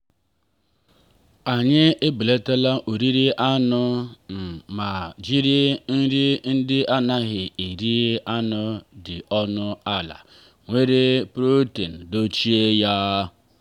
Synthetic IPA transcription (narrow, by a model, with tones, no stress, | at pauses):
a˨ɲɪ˦e˦bi˨le˦ta˦la˦ʔo˨ɾi˦ɾi˦ʔa˦nʊ˦m̩˨ma˨d͡ʒi˦ɾi˦n̩˦ɾi˦n̩˦dɪ˦ʔa˦na˦ɦɪ˨e˨ɾi˦e˦ʔa˦nʊ˦dɪ˨ɔ˦nʊ˦a˦la̰˨ | ŋʷe˦ɾe˦pɾo˦te˨n̩˨do˦t͡ʃi˦e˦ja˦